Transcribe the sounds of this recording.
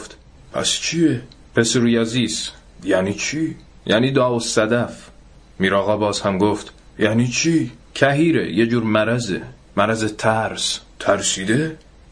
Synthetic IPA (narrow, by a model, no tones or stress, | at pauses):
ft̪ | pʰæ̰st͡ʃʰie | pʰe̞seɾujæziːs | jæːniːt͡ʃʰiː | jʔæ̰ːniːd̪ɒːosæd̪æf | miːɾɒːɣɒːbɒːz̥hæmɡoft̪ | jæːniːt͡ʃʰiːcʰæɦiːɾejed͡ʒuːɾmæɾæzḛ | mæɾæzet̪ʰæɾst̪ʰæɾsiːd̪e